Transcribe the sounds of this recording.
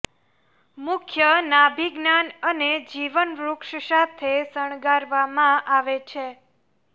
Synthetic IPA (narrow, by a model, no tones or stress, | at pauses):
mʊkʰjənabʱiɡnanəned͡ʒiʋənɾukʃsat̪ʰesəɳ̃ɡaɾʋamãʔaʋet͡ʃʰe